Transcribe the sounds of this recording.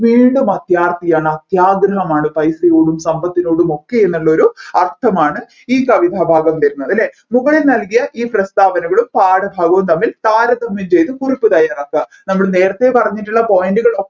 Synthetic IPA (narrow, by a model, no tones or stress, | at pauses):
ʋiːɳɖumɐt̪jaːrt̪ijaːɳɨɐt̪jaːɡɾɐɦɐmaːɳɨpɐjsɐjoːɽumsɐmbɐt̪ːinoːɽumo̞kːe̞enːuɭːɐo̞ɾuɐrt̪ʰɐmaːɳɨ | iːkɐʋid̪ʱaːbʱaːɡɐmt̪ɐɾunːɐðɐlːe̞ | muɣɐɭilnɐlkijɐʔiːprɐst̪aːbɐnɐɣɐɭumpaːɽɐbʱaːɡɐʋumt̪ɐmːilt̪aːɾɐd̪ɐmːimt͡ɕe̞jt̪ɨkuripːɨt̪ɐjːaːrokːɐ | nɐmːuɭne̞ːɾɐt̪ːe̞pɐrɐɲːiʈːuɭːɐpo̞ːjinduɣɐɭo